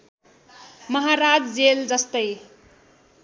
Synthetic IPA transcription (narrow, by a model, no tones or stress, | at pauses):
mʌɦaɾad͡zd͡zeld͡zʌst̪ʌj